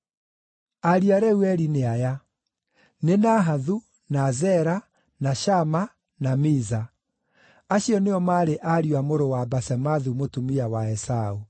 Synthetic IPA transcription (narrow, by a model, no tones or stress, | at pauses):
aɾiaɾɛuɛɾineaja | nenaɦaðu | nazɛɾa | naɕama | namiza | aɕiɔneɔmaɾeʔaɾiwamoɾowabasɛmaðumotumiawaɛsau